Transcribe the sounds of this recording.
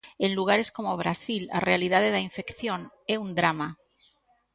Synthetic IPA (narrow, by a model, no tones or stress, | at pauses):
enluɣ̞aɾeskomoβ̞ɾasila̰realið̞að̞eðaiɱfekθjon | eund̪ɾama